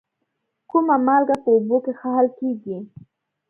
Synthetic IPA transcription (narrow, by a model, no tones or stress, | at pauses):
kʊmamalɡapəʊbʊkexahalkeɡi